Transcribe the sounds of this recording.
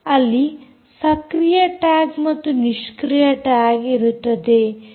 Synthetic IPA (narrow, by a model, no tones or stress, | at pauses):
ɐlːi | sɐkɾijɐʈaːɡmɐt̪ːuniʃkɾijɐʈaːɡiɾut̪ːɐd̪e